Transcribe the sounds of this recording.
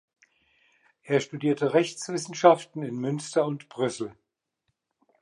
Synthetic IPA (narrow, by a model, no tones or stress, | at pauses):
ʔeːɐʃtudiːɐtəʁɛçt͡sv̥ɪsn̩ʃaftn̩ɪnmʏnstɐʊntb̥ʁʏsl̩